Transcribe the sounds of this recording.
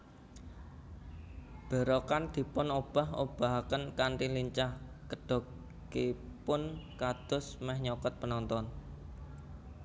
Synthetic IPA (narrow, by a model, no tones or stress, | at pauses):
b̥ə̤ɾɔkand̪̥i̤pʊnob̥a̤ɦo̰b̥a̤ɦakənkaɳʈiliɲt͡ʃah | kəɖ̥ɔ̤ | ɡepʊnkad̪̥ʊsmɛhɲɔkɔt̪̚pənɔnt̪ɔn